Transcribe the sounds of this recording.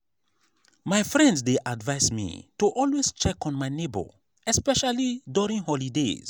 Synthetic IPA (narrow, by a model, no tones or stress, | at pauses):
maɪfɹɛ̃ndsdeʔadvaɪsmḭtuʔɔlwest͡ʃɛkɔ̃nmaɪnebə̰ | ɛspɛʃaliduɹĩŋhɔlidḛz̥